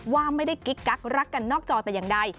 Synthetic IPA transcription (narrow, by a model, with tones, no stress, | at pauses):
waː˧məː˨˥jt̪ə˦jki˨˦˥t̚kaː˦˥k̚raː˦˥kkːa˨˧˩ŋnɔ˦˥k̚t͡ɕɔ˧˩t̪aː˧˩ja˨˩ŋɗa˧j